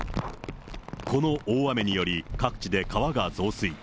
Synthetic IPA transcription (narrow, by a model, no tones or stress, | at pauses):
ko̞no̞ʔoːβame̞ɲ̟ijo̞ɾʲikakɯ̟̥t͡ɕid̪e̞kaβaɡazo̞ːsɨi